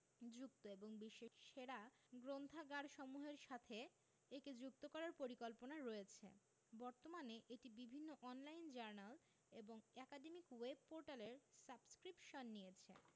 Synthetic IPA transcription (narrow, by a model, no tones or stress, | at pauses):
d͡ʑuk̚t̪oeboŋbiʃːeʃeɾa | ɡɾond̪ʱaɡaɽʃɔmuɦeɾʃat̪ʰe | eked͡ʑuk̚t̪okɔɾaɾpoɾikolponaɾoet͡ɕʰḛ | bɔɾt̪omaneʔeʈibibʱinːoʔɔnlajnd͡ʑaɾnal | eboŋɛkaɖemikweb̚poɾʈaleɾsabskɾipʃonːijet͡ɕʰḛ